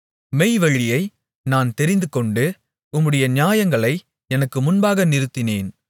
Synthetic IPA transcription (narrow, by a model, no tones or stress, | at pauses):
mɛɪʋɐɻɪjɐɪ | naːnt̪ɛɾɪnd̪ɯkɔɳɖɯ | ʊmːɯɽɐjɐnɪjaːjɐŋɡɐɭɐɪ | ɛnɐkːɯmʊnbaːɣɐnɪɾɯt̪ːɪneːn